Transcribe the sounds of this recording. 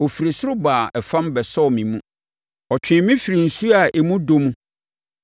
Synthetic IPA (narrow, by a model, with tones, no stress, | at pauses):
o˨fi˨ɾi˨sɾʊ˦baː˨ɛ˨fã˦mbɛ˨sɔ˦˨mĩ˨mũ˦ | ɔ˨t͡ɕᶣɪ̃˨mĩ˦fi˨ɾi˨n̩˨su˦a˨ʔe˨mũ˦do˦mũ˦